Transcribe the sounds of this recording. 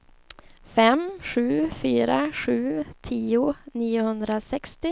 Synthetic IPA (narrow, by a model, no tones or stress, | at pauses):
fɛmɧʉ̟ːfyːɾaɧʉ̟ːt̪ʰiːʊniːʊhɵnd̪ɾasɛkst̪ɪ